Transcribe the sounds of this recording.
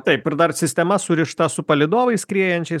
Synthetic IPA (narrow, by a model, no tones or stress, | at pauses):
t̪ɐɪpɪɾd̪ɐrsʲɪsʲt̪ʲɛmɐsʊɾʲɪʃt̪ɐsʊpɐlʲɪd̪oːʋɐɪskɾʲiɛjɛnʲt͡ʃʲɛɪ